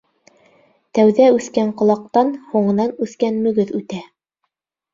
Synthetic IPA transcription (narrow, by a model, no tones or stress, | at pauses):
t̪æwðæʉθkæɴqŏlˠɑq̚t̪ɑnhuɴɤ̆nɑnʉθkænmɵ̆ɡɵðʉt̪æ